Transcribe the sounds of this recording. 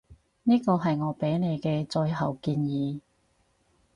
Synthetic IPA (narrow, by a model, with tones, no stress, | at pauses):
niː˥kɔː˧ɦɐ˨jŋɔː˨˧pe˨˥jne˨˧jkɛː˧t͡sɔ˧jɦɐ˨wkiː˧njiː˨˧˦